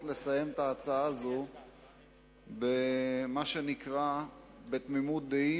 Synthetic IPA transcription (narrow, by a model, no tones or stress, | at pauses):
tle̞saje̞mt̪aːt͡saazo | bemaʃe̞nikʁa | be̞t̪mimut̪̚d̪ei